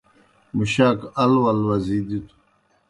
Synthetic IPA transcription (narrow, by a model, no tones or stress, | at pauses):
muɕaːkɐlwɐlwɐzid̪it̪ʰu̥